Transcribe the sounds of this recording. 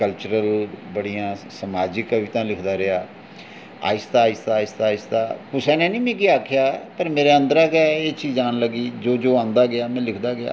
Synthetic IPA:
kəlt͡ʃəɾəlbəɽijãːsəmaːd͡ʒɪkːʋiːt̪ãːlɪkʰd̪aːɾɪaː | a̰ːɪst̪aːɪst̪aːɪst̪aːɪst̪aːpʊsɛːnẽːnĩːmẽːkiaːkʰɪjaːpəɾmeːɾeːə̃nd̪əɾaːɡɪjaːeːt͡ʃiːzaːnləɡiːd͡ʒoːd͡ʒoːãːnd̪aːɡɪaːmɛ̃ːlɪkʰd̪aːɡɪa̰ː

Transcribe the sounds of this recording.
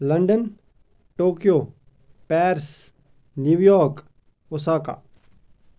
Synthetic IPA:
lɐ̃ɳɖən | ʈoːkijoː | pɛːɾs | njuʋjɔːɾk | ʊsaːka̰ː

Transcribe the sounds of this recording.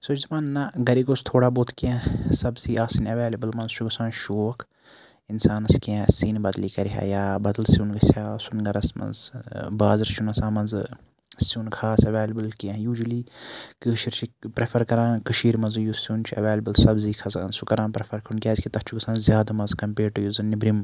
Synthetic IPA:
sod͡ʒzimɐnːɐɡɐɾiɡost̪ʰoːɽaːboːt̪ʰkãsɐbziːʔaːsinɐʋeːlɐbɐlmɐnzt͡ʃʰuɡɐsãːnʃoːkʰ | insaːnɐskãsiːnbɐd̪liːkɐɾɦa̰ːjaːbɐd̪ɐlsunɡɐsʲaːsunɡɐɾɐsmɐ̰nzbaːzɾst͡ʃʰunɐsãːmɐnz | sunkʰaːsɐʋeːlɐbɨlkiãːjuːd͡ʒuliːkɨʃiɾt͡ʃʰipɾepʰɐɾkɐɾãːkɐʃiːɾmɐnzjusunt͡ʃʰiɐʋeːlɐbɐlsɐbziːkʰɐzaːnsukɐɾãːnpɾepʰɐɾkʰɾunkʲaːzʲkʰit̪ɐt͡ʃʰuɡɐsãːnzjaːd̪amɐnzkɐmpeːɾʈujuznibɾim

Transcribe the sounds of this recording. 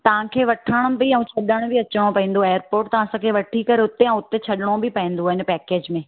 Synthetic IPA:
t̪ɐʋ̤ãkʰeːʋɐʈʰəɽ̃ʊbɪɛ̃ũt͡ɕʰɐɗəɽ̃ʊ̃bɪɐt͡ɕəɽ̃opɐɦĩːn̆d̪oeːəɾpoːɾʈt̪ɐʋ̤ãsãkʰeːʋɐʈʰikɐɾeʊt̪eɛ̃ʊt̪et͡ɕʰɐɗɪɽ̃obɪpɐɦĩːn̆d̪oaːɦɪnpɛːkeːd͡ʑmẽ

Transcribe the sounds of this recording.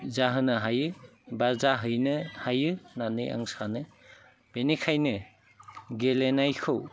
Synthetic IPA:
zaɦɯnɯɦajɯbazaɦɯjnɯhajɯnanɯja̰ŋsanɯ | b̥enekʰajnɯ | ɡelenajkʰɯw

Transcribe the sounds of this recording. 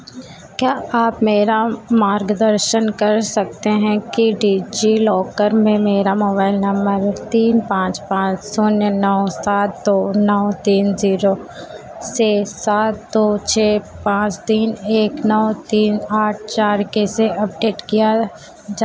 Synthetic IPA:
kjaːaːpmeːɾamaːɾɡd̪əɾʃənkɐɾsɐk̚t̪eɦɛ̃kiɖiːd͡ʒilɔːkəɾmẽmeːɾamoːbaːɪlnɐ̃mbəɾt̪iːnpãːt͡ʃpãːt͡ʃsonənɔːsaːt̪̚d̪onɔːt̪iːnziːɾo | seːsaːt̪̚d̪oːt͡ʃʰeːpãːt͡ʃt̪iːneːknɔːt̪iːnaːʈ̚ʰt͡ʃaːɾkeseʔɐp̚ɖeːʈkija | d͡ʒaː

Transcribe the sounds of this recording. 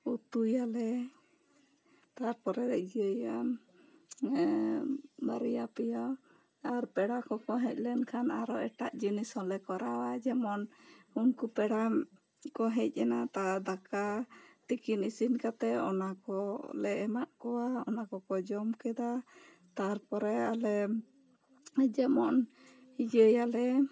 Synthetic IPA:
ut̪ujalɛ | t̪aɾpɔɾɛɾɛʔ̚d͡ʒiəjam | baɾijapɛja | aɾpɛɽakɔkɔɦɛc̚ˀlɛnkʰanaɾɔɛʈaʔd͡ʒinishɔlɛkɔɾawad͡ʒɛmɔnhunkupɛɽam | kɔɦɛc̚ˀɛnat̪ad̪akat̪ikinisinkat̪ɛɔ̰nakɔlɛʔɛmaʔkɔwaɔ̰nakɔkɔd͡ʒɔmkɛd̪a | t̪aɾpɔɾɛalɛ | d͡ʒɛmɔn | hid͡ʒəjalɛ

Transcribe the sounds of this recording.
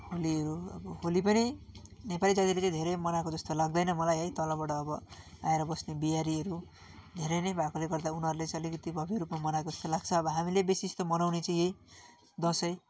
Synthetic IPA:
holiʌɾuʌ̰bʌholipʌninepalid͡zʌɡ̪ilet͡sʌj̃d̪ʱeɾʌjmʌnakod͡zʌst̪olaɡ̚d̪ʌjnʌmʌlajɦʌjt̪ʌlʌbaʈʌːbʌa̰eɾʌbʌsnebijaɾiʌɾu | d̪ʱeɾʌjnʌjbʱakoleɡʌrd̪aunɦʌɾulet͡sʌlikʌt̪ibʱʌbiɾupmamʌnakod͡zʌ̥st̪olaɡ̚t͡sʰʌːbʌɦamilebesist̪omʌnawnet͡sʌĩej | d̪ʌsʌj

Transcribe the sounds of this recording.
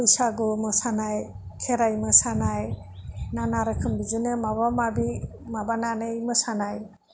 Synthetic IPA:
ujsaɡɔmɯsanaj | kʰeɾajmɯsanaj | nanaɾɯkʰɯmbizɯnɯmabamabi | mabananɯjmɯsanaj

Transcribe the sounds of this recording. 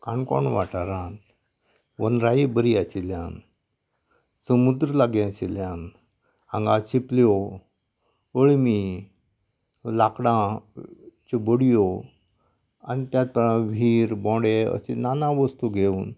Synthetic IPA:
kãɳkɔ̰ɳʋaʈaɾãt̪ | ʋənɾaibəɾiat͡ɕiljã̰n | səmud̪ɾəlaɡjãɕiljãn | aŋɡat͡ɕipljɔ | əɭmi | lakɽã | t͡ɕebəɽijo | a̰nit̪jat̪̚pɾãʋʱiːɾbɔ̃ɽeə̰sḛnanãʋəst̪uɡʱeuːn

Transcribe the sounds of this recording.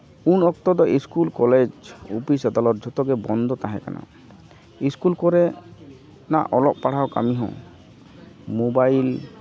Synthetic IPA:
unɔk̚t̪ɔd̪ɔʔiskulkɔled͡ʒupisad̪alɔt̪̚d͡ʒʱɔt̪ɔɡɛbɔnd̪ʱɔt̪aɦɛ̰̃ka̰na̰ | iskulkɔɾɛ | na̰ʔɔlɔʔ̚paɽ̤awka̰miɦɔ̰̃ | mobajl

